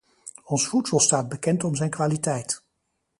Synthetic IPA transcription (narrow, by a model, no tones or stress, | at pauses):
ɔnsfutsɔlˠstaːd̚bəkɛntɔmzɛjnkʋaːlitɛjt